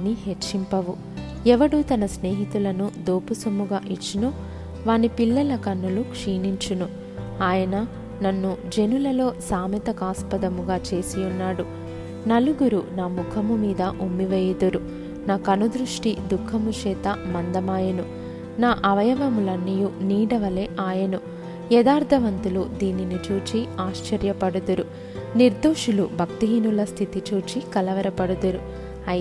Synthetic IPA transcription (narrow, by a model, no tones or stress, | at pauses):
niɦet͡ʃimpɐʋu | ɛʋɐɽut̪ɐnɐsne̞ːɦit̪ulɐnud̪oːpusɐmːuɡaːʔit͡ʃːinuː | ʋaːnipilːɐlɐkɐnːulukʂiːniɲt͡ʃunu | aːjɐnɐ | nɐnːud͡ʒe̞nulɐlo̞ːsaːmɐt̪ɐkaːspɐd̪ɐmuɡaːt͡ʃe̞ːsijunːaːɽu | nɐluɡuɾunaːmukʰɐmumiːd̪ɐʔumːiʋeːjid̪uɾu | naːkɐnud̪ɾuʂʈid̪ukʰːɐmut͡ʃɛːt̪ɐmɐnd̪ɐmaːjɐnu | naːʔɐʋɐjɐʋɐmulɐnːijuniːɽɐʋɐleːʔaːjɐnu | jɛd̪aːɾd̪ʱɐʋɐnt̪ulud̪iːninit͡ʃuːt͡ʃiaːʃt͡ʃɐɾjɐpɐɽud̪uɾu | niɾd̪uːʂulubʱɐkt̪iɦinulɐst̪ʰit̪it͡ʃuːt͡ʃikɐlɐʋɐɾɐpɐɽud̪uɾu | ɐ